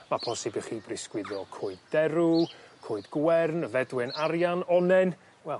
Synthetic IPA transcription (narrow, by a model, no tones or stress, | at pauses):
mapʰɔsɪbiχiːbrɪskwɪðɔkʰʊɨddɛɾʊkʰʊɨdɡ̥wɛrnvɛdwɪnaɾjanɔnɛn | wɛlˠ